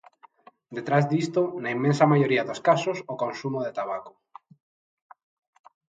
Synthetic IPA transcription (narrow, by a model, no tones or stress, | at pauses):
d̪et̪ɾazd̪ist̪onaimːẽnsɐmajoɾiɐðoskasosokonsumoðet̪aβako̥